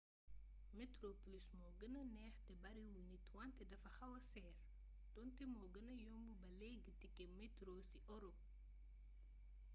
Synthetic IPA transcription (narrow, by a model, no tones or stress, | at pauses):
mɛtɾoplismɔːɡənɐnɛːxtɛbɐɾiwulnitwantɛdɐfɐxɐwɐsɛːr | dɔntɛmɔːɡənɐjɔmbubɐlɛːɡːətikɛmɛtɾoːsiʔɔɾɔ